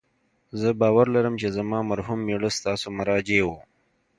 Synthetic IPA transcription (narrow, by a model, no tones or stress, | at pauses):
zəbɑːwaɾlaɾəmt͡ʃezamɑːmaɾɦumːeɽəst̪ɑːsomaɾɑd͡ʒewo